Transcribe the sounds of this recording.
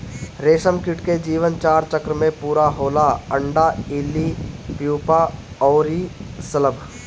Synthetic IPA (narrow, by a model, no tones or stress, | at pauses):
ɾeːsəmkɪʈked͡ʒiːʋənt͡ʃaːɾt͡ʃəkɾəmẽpuːɾaɦoːlaə̃ɳɖaɪlːipjuːpaɔːɾisələbʱ